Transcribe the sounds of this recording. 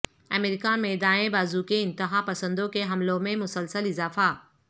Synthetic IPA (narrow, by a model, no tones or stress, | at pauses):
ɐmɪɾikamẽd̪aːẽbaːzukeɪ̃nt̪ɪɦapɐsə̃nd̪okeɦɐmlõmẽmʊsəlsəlɪzaːfa